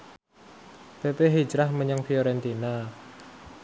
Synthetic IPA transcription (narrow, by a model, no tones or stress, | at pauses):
pepeɦi̥d͡ʒɾahməɲəŋfioɾɛnt̪ina